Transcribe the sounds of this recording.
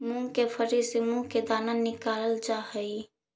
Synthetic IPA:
mũkepʰəɾisimũked̪aːnanɪkaːləld͡ʒahəi

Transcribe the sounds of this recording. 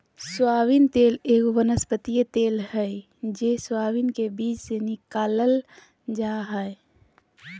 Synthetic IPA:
swaːwint̪eːleːɡoʋənəspət̪ijət̪eːlɦɛj | d͡ʒeswaːwinkebiːt͡ʃsenɪkaːləl | d͡ʒaːɦəe

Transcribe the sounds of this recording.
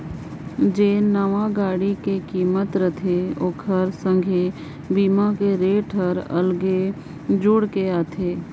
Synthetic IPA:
d͡ʒeːnəʋãɡaːɽikekiːmət̪ɾət̪ʰeoːkʰəɾsə̃ŋɡʱe | biːmakeɾeːʈʰəɾɐ̰lɡe | d͡ʒʊɽkeaːt̪ʰeː

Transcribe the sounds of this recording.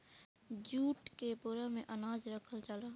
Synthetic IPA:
d͡ʒuːʈkepoɾəmẽʔənaːd͡ʒɾəkʰəlt͡ʃəlaː

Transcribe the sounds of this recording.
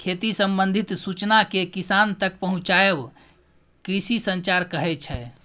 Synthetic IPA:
kʰet̪isə̃mbənd̪ʱit̪sut͡ʃnakekisant̪ək̚pəɦũt͡ʃaeb | kɾisisənt͡ʃaɾkəɦɛt͡ʃʰɛ

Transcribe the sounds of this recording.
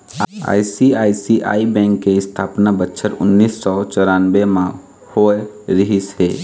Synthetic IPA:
a̰ːjsiaːisiʔa̰ːibɛ̃ŋkːeɪst̪ʰapnabətːʃʰəɾʊ̰nːisːɔt͡ʃɔɾanbemã | hoeɾiɦisɦe

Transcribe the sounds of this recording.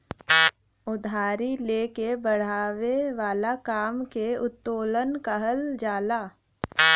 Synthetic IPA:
ʊd̪ʱaːɾileːkebəɽ̤aːweʋaːlakaːmkeʊt̪ːoːlənkəɦəld͡ʒaːlaː

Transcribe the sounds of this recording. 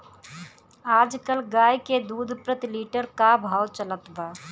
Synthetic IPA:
aːd͡ʒkəlɡaːjked̪uːd̪ʱpɾət̪ɪliːʈəɾkabʱaːwt͡ʃələt̪ʋaː

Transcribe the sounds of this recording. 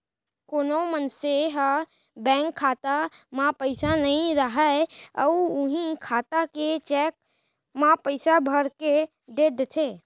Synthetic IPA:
koːnomənseɦə | bɛ̃ːŋkʰːat̪amãpəɪsanəɦĩɾəɦəə̰ʊʊɦĩkʰaːt̪aket͡ʃɛːk̚ | mãpəɪsabʱəɾke | d̪ed̪et̪ʰe

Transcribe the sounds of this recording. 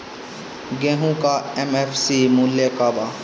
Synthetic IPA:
ɡẽːɦũkaɛmefʰsimuljekaːbaː

